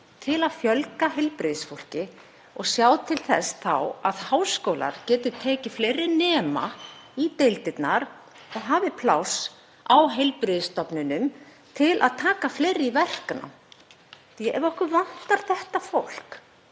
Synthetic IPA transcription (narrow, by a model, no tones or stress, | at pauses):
t̪ʰɪlaðfjœlkaɦejlpɾɪðsfowl̥cɪ | ɔɣsjaːwt̪ʰɪlθɛ̰sθa̰waðhaːwskowla̰ɾ̥cɛːt̪ʏt̪ʰɛːcɪfleːjɾɪnɛːma̰it̪ejlt̪ɪt̪naɾ | ɔɣɦaːvɪpʰlaws | awɦejlpɾɪðɪst̪ɔpnʏnʏm | t̪ʰɪlʔa̰ðt̪ʰaːkafleːjɾɪivɛr̥kana̰m | aʔɛɾɔhkʏvan̥t̪aɾ̥θɛht̪afowl̥k